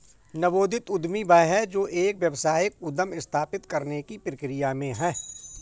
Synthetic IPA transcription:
nɐboːd̪ʱɪt̪ʊd̪mibɐɦɛd͡ʒoːʔeːkʋjɐʋsaːjək̚ʊd̪əmɪst̪ʰaːpɪt̪kɐɾnekipɾɪkɾɪjamẽɦɛː

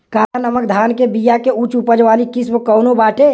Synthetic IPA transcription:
kaːɾanəməkd̪ʱaːnkebijakeut͡ʃupəd͡ʒʋaːlikɪsbkɔːnobaːʈe

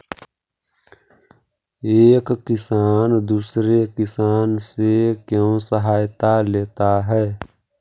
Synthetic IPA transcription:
eːkːɪsaːnd̪uːsɾekɪsaːnsekjõsəɦaːjt̪aleːt̪aɦɛː

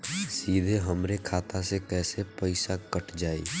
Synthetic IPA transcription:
siːd̪ʱeɦəmɾekʰaːt̪ãsekɛːsepəɪsakəʈʰd͡ʒaːḭː

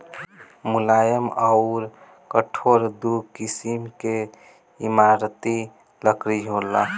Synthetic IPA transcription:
mulajəməʊɾ | kəʈʰoɾd̪ukisimke | imaɾt̪i | ləkɾiɦola

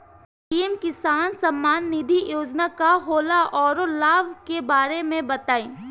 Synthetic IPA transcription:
ʈiːɛmkɪsaːnsɐmːaːnːɪd̪ʱijoːd͡ʒnakaɦoːlaʔɔːɾolaːʋkebaːɾemẽbɐt̪aːĩː

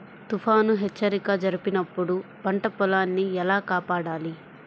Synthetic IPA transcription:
t̪upʰaːnuɦet͡ʃːɐɾikɐd͡ʒɐɾipinɐpːuɽupɐɳʈɐpɔlaːnːiɛlaːkaːpaːɽaːli

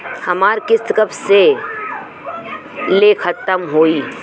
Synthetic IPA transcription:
hɐmaːɾkɪst̪kəbse | lekʰət̪əmɦoːiː

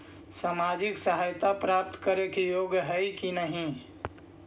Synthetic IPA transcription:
saːmad͡ʒɪksəɦajt̪apɾap̚t̪kəɾekijoɡɦəjkinəɦĩ

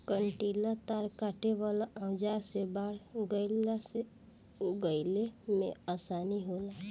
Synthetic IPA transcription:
kəɳʈiːlat̪aɾkaːʈeʋalaə̃ʊd͡ʒaɾsebaːɽɡəɪlase | oɡəɪlemḛ̃asaːniɦoːla

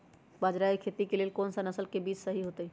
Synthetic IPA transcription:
baːd͡ʒɾaikʰet̪ikeleːlkɔːnsanɐsəlkebiːt͡ʃsəɦiɦot̪əi

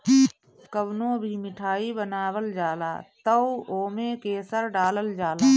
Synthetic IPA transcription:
kəbnõbʱimɪʈʰaːibənaːwəld͡ʒaːla̰ːt̪əuoːmẽkeːsəɾɖaːləld͡ʒaːlaː

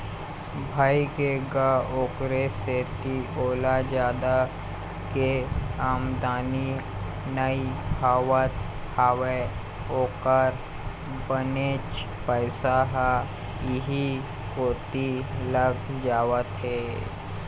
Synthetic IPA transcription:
bʱaːikeɡaoːkɾeset̪iʔoːlad͡ʒaːd̪a | keaːmd̪aːni | nəihaːwət̪ | haːʋe | oːkəɾ | bəneːt͡ʃ | pəɪsaɦa | jɪɦi | koːt̪iləɡʰd͡ʒaːwət̪ɦeː

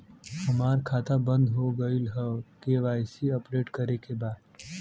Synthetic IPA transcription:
həmaːɾkʰaːt̪abə̃nd̪ɦoɡəilɦəkeʋaːjsiəpɾeːʈkəɾekebaːd̪

